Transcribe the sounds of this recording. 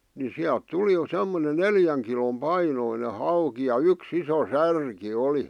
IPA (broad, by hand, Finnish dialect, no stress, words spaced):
ni siælt tuli semːone neljæŋ kilom pɑinoine hɑuki jɑ yks iso særki oli